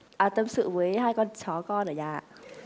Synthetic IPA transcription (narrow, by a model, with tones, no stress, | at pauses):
ʔaː˨˩t̪ə˧˩msɨ̰˧˨vəː˨˦jhaː˧jkɔ˧nt͡ɕɔ˨˦kɔ˧nəː˨˩jaː˧˩